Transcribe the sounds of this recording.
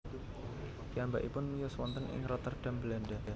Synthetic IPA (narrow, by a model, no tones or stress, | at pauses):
d̪iambaʔipʊnmijʊswɔnt̪ənʔɪ̰ŋrɔt̪ərɖ̥a̤mbəlandaa